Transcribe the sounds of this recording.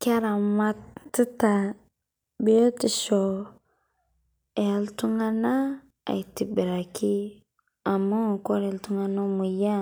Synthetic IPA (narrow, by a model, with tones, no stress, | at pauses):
ka˦ɾa˨ma˦ttːi˦ta˨ | be˦o˦ti˨ʃo˨ | e˨ltu˦ŋa˦na˦ | a̰˨ti˨bi˨ɾa˨ki˦ | a˨ma˦˨ko˦ɾe˨ltu˦ŋa˦no˦mu˨ja˦